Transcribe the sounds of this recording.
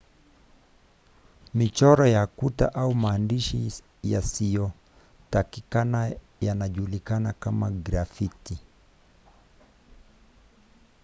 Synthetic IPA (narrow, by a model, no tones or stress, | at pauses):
mit͡ʃɔɾɔjakuta̰ʔaumaːndiʃi | ja̰sijɔ | takikana | janaʄulikanakamaɡɾafiti